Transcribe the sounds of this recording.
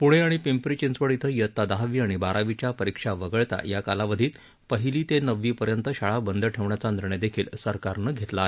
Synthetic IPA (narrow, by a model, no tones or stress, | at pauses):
puɽ̃eaɽ̃ipimpɾit͡ɕinsʋəɽit̪ʰəjət̪ːad̪aɦʋiːaɽ̃ibaɾʔaʋit͡ɕjapəɾikʂaʋəɡəɭt̪a̰jakalaʋəd̪ʱiːt̪ | pəɦiliːt̪enəʋːiːpəɾjənt̪əɕaɭabənd̪əʈʰeʋɳjat͡sand̪ɾɳed̪ekʰiːlsəɾkaɾnəɡʱet̪laaɦe